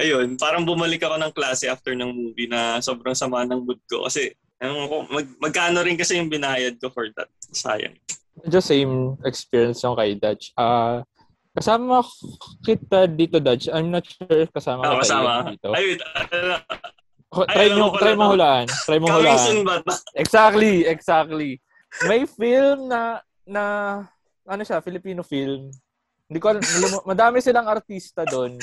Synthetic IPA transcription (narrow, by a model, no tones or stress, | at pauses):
ʔɐjonpaːɾɐŋbʊmɐlɪkɐko̞nɐŋklaːsɛʔaft̪ɛɹnɐŋmuːvinɐso̞ːbɾɐŋsɐmaːnɐŋmʊd̪̚ko̰kɐ̰sɛ | ɐnoŋɐkomɐɡ̚mɐɡ̚kaːno̞ɾɪnkɐsɛjʊŋbɪnaːjɐd̪̚kofɔɹd̪ɐ̰t̪̚sa̰jɐ̰ŋ | ɛd͡ʒɐsejmɛkspiːɹjɐnsjʊŋkɐjd̪at͡ʃaː | kɐsaːmɐkɪt̪ad̪iːt̪od̪at͡ʃɐjmnɐt̪̚ʃuɹkɐsaːmɐkɪɐiaiːt̪o̞ | ot̪ɾajoŋt̪ɾajmoŋhʊlaʔɐnt̪ɾajmoŋhʊlaːʔanbat̪ʔɛɡsak̚t̪liɛɡsak̚t̪li | mɐjfilmnɐ | nɐ | ʔɐnoʃafɪlɪpiːnofilm | hɪnd̪iːkoɐlɐlʊmmɐd̪aːmɪsɪlɐŋɐɾt̪iːst̪ɐd̪o̞n